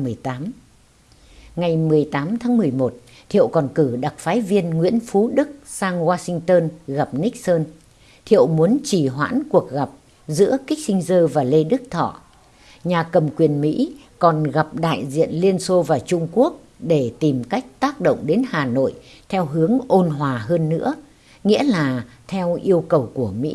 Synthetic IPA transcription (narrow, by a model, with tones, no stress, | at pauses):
mɨ˨˩əjt̪aː˨˦m | ŋa˨˩jmɨ˨˩əjt̪aː˨˦mt̪ʰaː˨˦ŋmɨ˨˩əjmo˨˩t̚ | t̪ʰḭ˧˨ə˨wkɔ˨˩nkɨ˧˩ɗa˨˩k̚faː˨˦jvi˧ənŋwḭ˧˥ənfu˨˦ɗɨ˦˥k̚saː˧ŋɣwaː˧sï˧ŋ̟t̪əː˧nɣa˨˩p̚nï˦˥k̚səː˧n | t̪ʰḭ˧˨əwmu˨˦ənt͡ɕi˧˩ɦwa̰ː˧˥nku˨˩ək̚ɣa˨˩p̚ | zɨ̰˧˥əkï˦˥k̟̚sï˧ŋ̟zəː˧vaː˨˩le˧ɗɨ˦˥k̚t̪ʰɔ̰˧˨ | ɲaː˨˩kə˨˩mkwi˨˩ənmḭ˧˥ | kɔ˨˩nɣa˨˩p̚ɗa̰ː˧˨jzḭ˧˨ənli˧ənso˧vaː˨˩t͡ɕʊ˧ŋ͡mku˦˥ək̚ | ɗe˧˩t̪i˨˩mka˦˥jk̟̚t̪aː˦˥k̚ɗo̰˧˨wŋ͡mɗe˨˦nhaː˨˩no̰˧˨j | t̪ʰɛ˧wɦɨ˨˦əŋʔo˧nɦwaː˨˩ɦəː˧nːɨ̰˧˥ə | ŋḭ˧˥əlaː˨˩ | t̪ʰɛ˧wʔi˧əwkə˨˩wku˧˩əmḭ˧˥